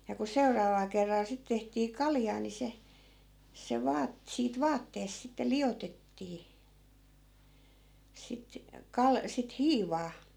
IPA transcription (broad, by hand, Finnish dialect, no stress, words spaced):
jɑ ku seurɑːʋɑl kerːɑl sit tehtiː kɑljɑː ni se se ʋɑːt siːt ʋɑːtːeːst̆ sitːe lij̆otetːiː sit kɑl sit hiːʋɑː